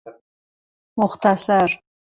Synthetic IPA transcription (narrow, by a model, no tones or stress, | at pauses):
mʊχt̪ʰasaɾ